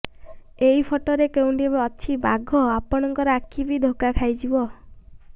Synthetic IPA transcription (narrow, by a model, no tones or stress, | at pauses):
ejpʰoʈɔɾekew̃ɖebaɔt͡ʃʰiba̰ɡʱɔapɔɽ̃ɔŋkɔɾɔakʰːibid̪ʱokakʰajd͡ʒibɔ